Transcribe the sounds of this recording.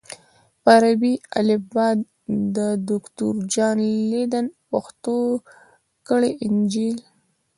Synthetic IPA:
paɾabia̰lɪbɑd̪ | d̪əd̪ʊkt̪uɾd͡ʒɑnled̪anpaxt̪o | kəɽeʔɪnd͡ʒil

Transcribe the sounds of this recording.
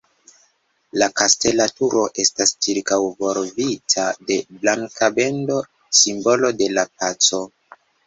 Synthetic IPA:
lakaste̞latuɾo̞ʔe̞stast͡ʃiɾkawvo̞ɾvitʰade̞blaŋkʰabe̞ndo̞ | simbo̞lo̞de̞lap̚at͡so̞

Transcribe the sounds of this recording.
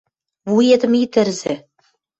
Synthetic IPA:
vued̪ɘ̆mit̪ɘ̆rzĕ

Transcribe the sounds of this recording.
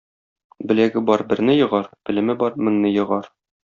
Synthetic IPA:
bɘ̆læɡɘbɒɾbɘ̆ɾnɘjɤ̆ʁɑɾbɘ̆lɘ̆mɘbɒɾmɘ̆ŋnɘjɤ̆ʁɑɾ

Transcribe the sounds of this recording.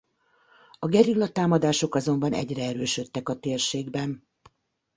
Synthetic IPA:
ɒɡɛɾilːɒt̪aːmɒd̪aːʃo̞kɒzo̞mbɒnɛ̰ɟrɛɛɾøːʃø̞t̪ːɛkɒt̪eːrʃeːɡbɛn

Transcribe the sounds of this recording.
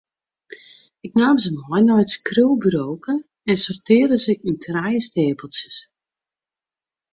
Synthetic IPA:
ɪknaːmzəmɦɔjnɔjtskrylˠbyɾowkə | ɛnsɔrtɪːrdəzɪkyntʰrajəsteːpəlˠsəs

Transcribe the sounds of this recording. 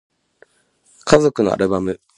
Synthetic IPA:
kʰazo̞kɯ̟no̰a̰ɾɯ̟bamɯ̟

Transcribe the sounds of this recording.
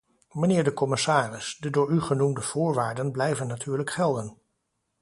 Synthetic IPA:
mənɪːɹdəkɔmɪsaːrɪsdədʊːɹyχənumdəv̥ʊːɹʋaːɹdənblɛjvənːatʰyːɹləkχɛlˠdən

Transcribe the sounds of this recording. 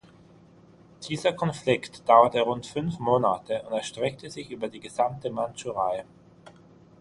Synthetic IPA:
d̥iːzɐkʰɔnflɪktd̥aʊɐtəʁʊntfʏnfmoːnatəʊ̰ntɛɐʃtʁ̥ɛk̚təzɪçʔyːbɐdiːɡəzamtəmantuʁaɪ

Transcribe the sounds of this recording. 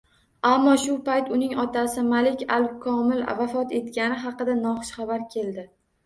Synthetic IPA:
amːɒʃʊpajt̪ʊnɪŋɒt̪asɪmalɪkʲalkʰɒmɪlvafɒt̪e̞t̪kʲanɪɦɑqɨd̪anɒχɨʃχɑbaɾkʲʰe̞ld̪ɪ

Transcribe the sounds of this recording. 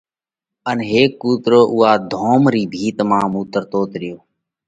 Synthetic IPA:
ənɦeːkːuːt̪ɾoːʔʊːɦaːd̪ʱoːmɾiːbʱiːt̪mãːmuːt̪əɾt̪oːt̪ɾɪjoː

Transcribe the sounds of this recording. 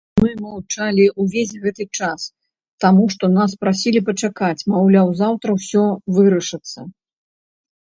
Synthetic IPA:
mɨmɐwt͡ʂalʲiuvʲesʲɣɛt̪ɨt͡ʂas | t̪amuʂt̪ɔnaspɾasʲilʲipɐt͡ʂakat͡sʲmawlʲawzawt̪ɾɐwsʲɔvɨɾɐʂɨt̪sːɐ

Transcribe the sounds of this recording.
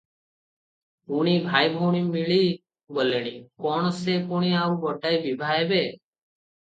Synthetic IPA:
uɽ̃ibʱajbʱoɽ̃imiɭi | boleɽ̃ikɔɽ̃ɔsekuɽ̃iaubɔʈajbibʱaɦebe

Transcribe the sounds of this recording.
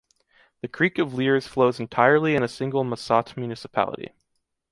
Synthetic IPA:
ðɨkʰɹ̥ikʌvliɹz̥floʊz̃n̩tʰaɪə˞lˠiɨ̃nɨsɪ̃ŋɡl̩ˠməsɑtmjʉnɨsəpʰæ̰lˠə̰ɾḭ

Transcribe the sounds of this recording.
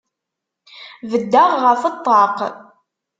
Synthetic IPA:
vəd̪ːaʁʁəfət̪ˤːɑq

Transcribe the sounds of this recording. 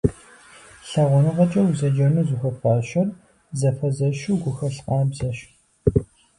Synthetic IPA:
ɬɐʁʷʊnɨʁɐt͡ʃʼɐwuzɐd͡ʒɐnuːzuxɐfaːʃɐr | zɐfɐzɐʃuːɡʷʊxɐɬqʼɑːbzɐʃ

